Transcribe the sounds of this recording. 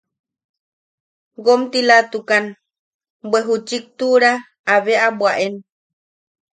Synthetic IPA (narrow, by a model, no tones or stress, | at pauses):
ɡomt̪ilat̪ukan | bweɦut͡ʃik̚t̪uɾaː | βeʔabwaʔen